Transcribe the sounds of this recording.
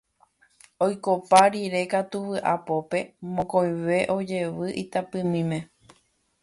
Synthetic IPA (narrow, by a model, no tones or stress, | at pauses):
ojko̞paɾiɾe̞kat̪uʋɨʔa̰po̞pe̞mõkõj̃ʋe̞ʔo̞d͡ʒe̞ʋɨʔit̪apɨ̃mĩmẽ̞